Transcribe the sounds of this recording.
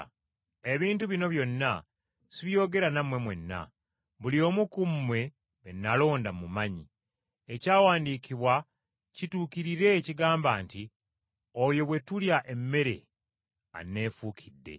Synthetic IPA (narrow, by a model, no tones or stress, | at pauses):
e̞βiːntuβino̞βjo̞nːa | siβjo̞ːɡe̞ɾanamwe̞mwe̞nːa̰ | βulio̞ːmukumːwe̞ | βenːalo̞ːndamumaɲi | ecaːwaːndiːkiβwa | cituːkiɾiɾe̞ciɡaːmbaːnti | ojo̞βwe̞tuljaʔe̞mːe̞ɾe̞̰ | a̰nːe̞ːfuːkʰidːe̞̰